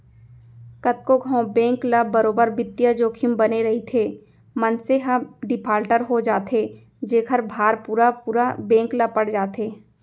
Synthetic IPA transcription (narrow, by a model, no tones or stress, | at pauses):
kɐt̪̚koɡʱõbɛ̃ːŋklabəɾoːbəɾbɪt̪ːjad͡ʒoːkʰɪmbɐneɾɐɦit̪ʰe | mɐnseɦɐmɖɪpʰaːɾʈəɾɦod͡ʒaːt̪ʰe | d͡ʒeːkʰəɾbʱaːɾpuːɾapuːɾabɛ̃ːŋklapɐɽ̤d͡ʒaːt̪eː